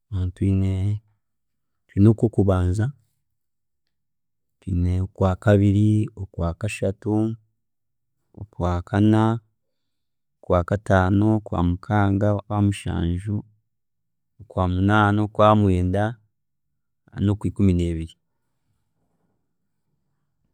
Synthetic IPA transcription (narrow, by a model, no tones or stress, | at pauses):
untwiːne | tinokokuβaːnza | twineokwaːkaβiɾiokwaːkaʃatu | okwaːkʰana | okwaːkataːno̞kwa̰ːmukʰaːŋɡaβamuʃa̰ːnʒu | okwaːmunaːnokwaːmweːnda | no̞kwiːkumine̞ːβiɾi